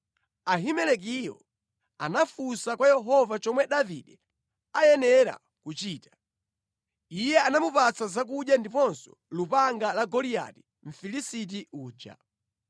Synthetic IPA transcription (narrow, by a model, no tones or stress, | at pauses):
aɦimɛlɛk̬ijɔ̰ | anafusakwajɛɦɔvat͡ʃɔmwɛɗaviɗɛ | ajɛnɛɾa̰ | kut͡ʃiːtḁ | ijɛanamupat͡sazak̬uɗjandipɔnsɔ̥̰lupaŋɡalaɡɔlija̰ti̥ | ɱ̩filisit̬iuːd͡ʒa̰